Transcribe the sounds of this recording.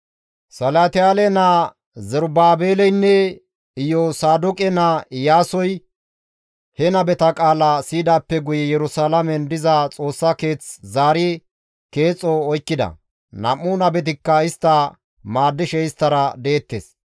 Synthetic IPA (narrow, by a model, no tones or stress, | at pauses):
sɐlat̪ɪjaːlɛnɐ | zɛɾbaːbeːlɛjnːɛ | ɪjɔsaːd̪ʊkʼɛnajaːsɔj | hɛnɐbɛt̪ɐkʼaːlɐsiːd̪aːpːɛɡʊjɛjɛɾʊsaːlɐmɛnd̪ɪzɐt͡sʼo̞ːsːɐke̞ːt͡szaːɾɪ | ke̞ːt͡sʼːɔɔjkːɪd̪ɐ̰ | nɐ̰mːuːnɐbɛt̪̬ɪkːɐɪst̪ːɐ | maːd̪ːɪʃɛɪst̪ːɐɾɐd̪eːt̪ːḛːs